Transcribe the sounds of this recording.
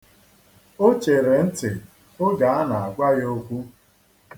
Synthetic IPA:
o˦t͡ʃe˨ɾe˨n̩˦tɪ˨ | ʊ˦ɡa˨a˦na˨a˨ɡʷa˦ɣo˦kʷu˦

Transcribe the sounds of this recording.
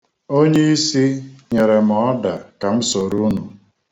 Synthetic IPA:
o˦ɲe˦i˦si˦ɲe˨ɾe˨m˨ɔ˦da˨ka˨m̩˦so˨ɾu˦nu˨

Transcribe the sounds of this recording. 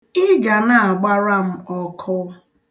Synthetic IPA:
ɪ˦ɡa˨na˨a˨ɡ͡ba˦ɾa˦m̩˦ɔ˦kʰʊ˦

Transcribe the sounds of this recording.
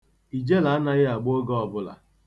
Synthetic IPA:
i˨d͡ʒe˦la˨a˦na˦ɣɪ˦a˨ɡ͡bo˦ɡɔ˦ɔ˨bʊ˦la̰˨

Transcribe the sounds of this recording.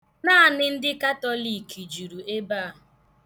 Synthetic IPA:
naː˦a˨nɪ˦n̩˦dɪ˦ka˦tɔ˦li˨kʰi˨d͡ʒu˨ɾu˨e˦baː˦˨ɦʊ˨

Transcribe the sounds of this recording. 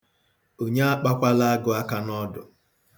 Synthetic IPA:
o˨ɲe˦a˦k͡pa˦kʷa˦la˦a˦ɡʊ˨a˦ka˦nɔ˦dʊ̰˨

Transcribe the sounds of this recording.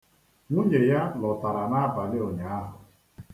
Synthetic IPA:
ŋu˦ɲe˨ja˦lɔ˨ta˨ɾa˨na˦a˦ba˨lɪ˦o˨ɲa˨a˦ɦʊ˨

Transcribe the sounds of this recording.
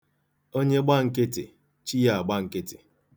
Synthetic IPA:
o˦ɲe˦ɡ͡ba˦ŋ̩˨ke˦tḛ˨ | t͡ʃi˦ja˨a˨ɡ͡ba˦ŋ̩˨ke˦te̥˨

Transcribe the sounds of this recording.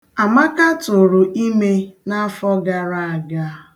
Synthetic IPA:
a˨ma˦ka˦tʊ˨ɾʊ˨ʔi˦me˦na˦fɔ˦ɡa˨ɾa˦a˨ɡa˦

